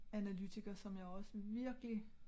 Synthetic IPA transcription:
ænælyt͡sʰiɡ̥ɐsɒ̽mjɑ̈ɒ̽səʋiɐɡ̥əli

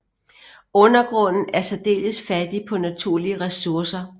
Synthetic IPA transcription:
ɔ̽nɐɡ̥ʁɔ̽n̰n̩æɐsæd̥e̝̰ːləsfæd̥ipʰɒ̽næt͡sʰuɐ̰liəʁɛsuɐsɐ

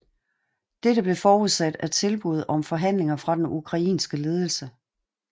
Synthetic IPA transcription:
d̥eɾəb̥le̝fɒːuð̰ˠsæd̥æt͡sʰe̝lb̥uð̞ˠɒ̽mfɒ̽ɦæn̰le̝ŋɐfʁɑ̈d̥enukʰʁɑ̈ḭːnsɡ̥əle̝ːð̞ˠl̩sə

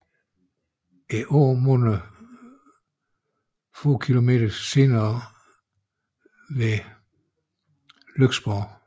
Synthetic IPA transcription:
eʔɔːmonə | fo̰ːkʰilo̝me̝̰ːd̥ɐse̝̰ːnɐː | ʋe | løɡ̥sb̥ɒʊ

